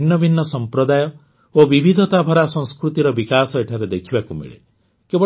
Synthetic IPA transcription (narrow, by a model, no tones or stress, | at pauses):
nːɔbʱinːɔsɔmpɾɔd̪ajɔ | obibʱid̪ʱɔt̪abʱɔɾasɔ̃ŋ̃skɾut̪iɾɔbikasɔeʈʰaɾed̪ekʰibakumḭɭḛ | kebɔ